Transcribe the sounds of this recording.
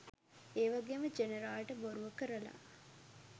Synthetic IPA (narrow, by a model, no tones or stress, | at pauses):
eːʋaɡeːməd͡ʒeneɾaːlʈəboɾuʋəkəɾəla̰